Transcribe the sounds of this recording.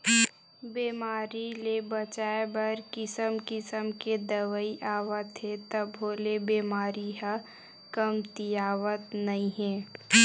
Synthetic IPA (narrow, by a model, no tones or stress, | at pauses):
beːmaːɾilebət͡ʃaːebɐɾkɪsəmkɪsəmked̪ɐʋəiʔaːʋət̪ɦɛ̃t̪əbɦoːlebeːmaːɾiɦə | kəmt̪ijaːʋət̪nɐɦĩɦɛ̃ː